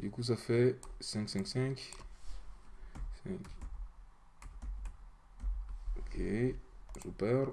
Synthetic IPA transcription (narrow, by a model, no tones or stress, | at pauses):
ikuz̬afɛsɛ̃ŋksɛ̃ŋksɛ̃k | sɛ̃k | okʰezupɛɾ